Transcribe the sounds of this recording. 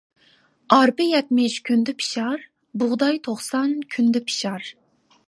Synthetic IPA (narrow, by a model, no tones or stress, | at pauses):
ɑɾpɪjɛt̪mɪʃkʲʰynd̪ɪpʰi̥ʃɑɾ | bʊʁd̪ɑjt̪ʰoχsɑnkʲʰynd̪ɪpʰi̥ʃɑɾ